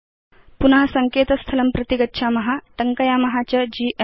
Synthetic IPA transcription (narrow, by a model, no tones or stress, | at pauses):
punɐɦɐsɐŋkeːt̪ɐst̪ʰɐlɐmpɾɐt̪iɡɐtːʃʰamɐɦaʈɐŋkɐjaːmɐɦat͡ɕɐd͡ʑiːʔe